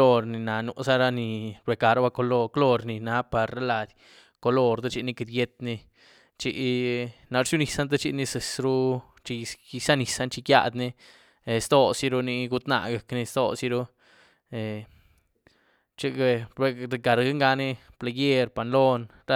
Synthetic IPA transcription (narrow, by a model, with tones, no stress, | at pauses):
o˧ɾni˨na˨nu˧sa˦ɾa˧ni˧be˨ka˨ɾa˦ba˦˧ko˧lo˧klo˧ɾni˧na˧˦pa˨ɾa˦la˧d̪ʲ | ko˧lo˧ɾd̪e˦t͡ʃi˧ni˧ki˧d̪je˧t̪ni˧ | t͡ʃḭ˧na˧ɾt͡ʃu˦ni˨˧sa˦nt̪̬e˦t͡ʃi˧ni˧se˨sɾu˦ | t͡ʃi˧sa˦ni˨sa˦nt͡ʃi˧kja̰˧d̪ni˧ | e˨st̪o˧si˧˦ɾu˧ni˧ɡu˧t̪na̰˧ɡa˨kni˧st̪o̰˧si˧ɾu˧ | e˨ | t͡ʃi˧ɡe˧e˧ɾe˧ɡa˨ɾɡa˦ŋɡa˧ni˦pla˧je˦ɾpa˨nlo˦˧n | ɾa˦